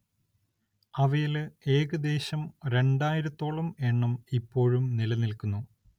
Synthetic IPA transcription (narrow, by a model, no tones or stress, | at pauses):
ɐʋɐjile̞ːɣɐd̪e̞ːɕɐmɾe̞ɳɖaːjiɾɐt̪ːo̞ːɭɐmeːɳːɐmipːo̞ːɻumnilɐnilkunːu